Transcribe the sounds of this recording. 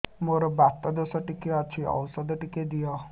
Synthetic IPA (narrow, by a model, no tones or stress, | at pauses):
moɾɔbat̪ɔd̪osɔʈikeɔt͡ʃʰiɔ̰wsɔd̪ɔʈiked̪ijɔ